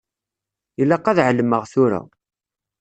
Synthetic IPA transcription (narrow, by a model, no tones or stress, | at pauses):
ilːæqːɑðʕəlːəmːəʁθʊɾa̰